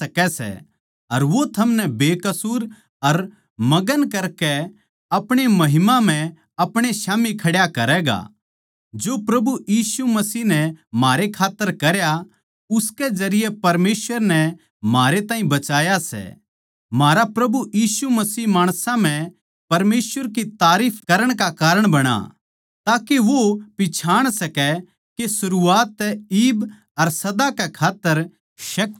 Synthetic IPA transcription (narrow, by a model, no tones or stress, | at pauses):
ɐkɛsɛ̰ | ɐɾʋot̪ʰɐmnɛbeːkɐsuːɾ | ɐɾ | mɐɡənkɐɾkɛ | ɐpɽ̃emɐɦɪmãm̤ɛ̃ | ɐpɽ̃eʃaːmikʰɐɽjakɐɾɛːɡa̰ | d͡ʒopɾɐbujiːsumɐsiːɦnɛm̤aːɾekʰaːt̪ːəɾkɐɾja | ʊskɛd͡ʒɐɾɪjɛpɐɾmeːsʋəɾnɛ | maːɾet̪aːɦĩbɐt͡ʃaːjasɛ̰ | maːɾapɾɐbujiːsumɐsiːmaːɽ̃sãm̤ɛ̃ | pɐɾmeːsʋəɾkit̪aːɾiːpʰkɐɾəɽ̃kakaːɾəɽ̃bɐɽ̃a̰ | t̪aːkeʋopɪt͡ʃʰaːɽ̃sɐkɛ | kesʊɾuaːt̪ːɛiːb | ɐɾsɐd̪akɛkʰaːt̪ːəɾ | ʃɐk̪̚